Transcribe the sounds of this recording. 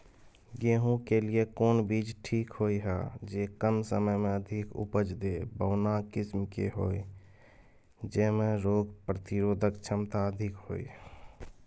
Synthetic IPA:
jeːɦũkeliekoːnbiːd͡ʒʈʰiːkɦoːiɦɛːd͡ʒeːkəmsəməjmẽəd̪ʱɪkʊ̰pəd͡ʒd̪eːbəːnakɪsmkḛɦo̰ːi | d͡ʒɛːmẽɾoːɡpɾət̪ɪɾoːd̪ʱəkt͡ʃʰəmt̪aəd̪ʱɪkɦo̰ːḭ

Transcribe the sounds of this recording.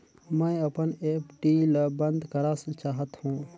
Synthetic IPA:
mə̃ɪəpənepʈiləbənd̪kəɾasə̃t͡ʃaːɦət̪hũː

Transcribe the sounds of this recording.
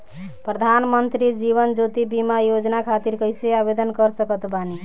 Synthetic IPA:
pɾəd̪ʱanmənt̪ɾid͡ʒiβənd͡ʒot̪ibimajod͡ʒnakʰat̪iɾkəjseabed̪ənkəɾsəkət̪bani

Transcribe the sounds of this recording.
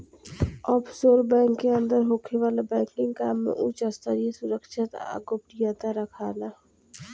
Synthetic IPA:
ɔːpʰsoːɾbɛ̃ːŋkːeɐ̃nd̪əɾɦoːkʰeʋaːlabɛ̃ːŋkɪ̃ŋɡkaːmːḛ̃ʔut͡ʃəst̪əɾiesʊɾəkʃɪt̪a̰ɡop̚ʈijat̪aɾɐkʰaːna

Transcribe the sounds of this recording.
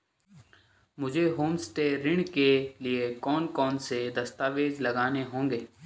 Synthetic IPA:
mʊd͡ʒʱeɦoːmst̪eɾɪɳ̃keliekɔːnkɔːnsed̪ɐst̪aːʋeːd͡ʒlɐɡaːneɦõːŋɡeː

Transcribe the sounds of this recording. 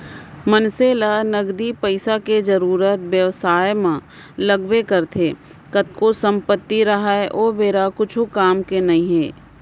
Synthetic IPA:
mənseːlanɐɡd̪ipəɪsaked͡ʒɐɾuːɾət̪ʋjəʋsaːjmã | lɐɡwekɐɾt̪ʰe | kɐt̪̚kosə̃mpət̪ːiɾɐɦaeʔoːbeːɾakʊt͡ʃʰukaːmkenɐĩɦɛː

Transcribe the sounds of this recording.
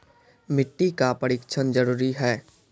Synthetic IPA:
mɪʈːikapəɽɪkt͡ʃʰənd͡ʒəɾuːɾiɦɛː

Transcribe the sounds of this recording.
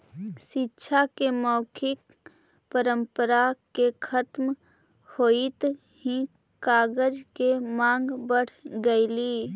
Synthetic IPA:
ʃɪtːʃʰakemɔːkʰɪk | pəɾə̃mpəɾakekʰət̪m | hoːit̪ | ɦĩ | kaːɡəd͡ʒkemãːŋɡbəɽ̤ɡəiliː

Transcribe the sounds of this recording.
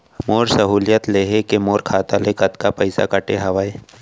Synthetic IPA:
moːɾsɐɦuːlijət̪leːɦekemoːɾkʰaːt̪alekɐt̪kapɐɪsa̰kɐʈeɦɐʋaːe

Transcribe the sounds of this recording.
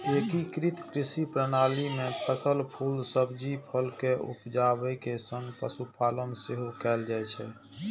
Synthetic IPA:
ekikɾit̪ʰkɾisipɾənalimepəsəlpʰulsəbd͡ʒipʰəlkeʔṵpd͡ʒabəjkesə̃ŋɡpə̰supʰalənseɦokɛːld͡ʒajt͡ʃʰɛ

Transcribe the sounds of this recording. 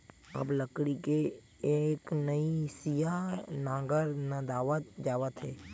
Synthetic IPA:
ɐ̰bləkɽike | eknəisijanãːɡəɾnəd̪aːʋət̪̚d͡ʒaːʋət̪ɦeː

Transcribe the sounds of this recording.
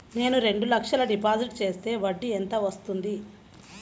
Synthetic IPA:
ne̞ːnuɾe̞ɳɖulɐkʂɐlɐɖipaːd͡ʒiʈ̚t͡ʃe̞ːst̪e̞ːʋɐɖːient̪ɐʋɐst̪und̪i

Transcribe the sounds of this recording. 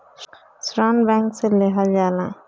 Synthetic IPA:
sɾanbãŋkseleɦəld͡ʒalã̰

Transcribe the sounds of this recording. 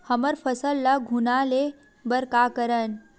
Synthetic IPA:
həməɾfʰəsəlːɐɡʱunale | bəɾkakəɾən

